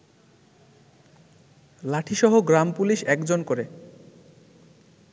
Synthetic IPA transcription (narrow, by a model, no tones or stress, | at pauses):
laʈʰiʃɔɦoɡɾampuliʃɛkd͡ʑonkoɾe